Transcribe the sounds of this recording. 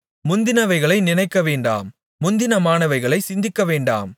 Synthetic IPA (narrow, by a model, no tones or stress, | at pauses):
mʊnd̪ɪnɐʋɐɪɣɐɭɐɪnɪnɐɪkːɐʋeːɳɖa̰ːmː | ʊnd̪ɪnɐmaːnɐʋɐɪɣɐɭɐɪsɪnd̪ɪkːɐʋeːɳɖa̰ːm